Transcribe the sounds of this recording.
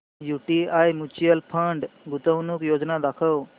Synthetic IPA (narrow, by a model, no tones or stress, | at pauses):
juʈiajmut͡ɕijəlpʰəɳɖɡut̪əwnukjod͡znad̪akʰəw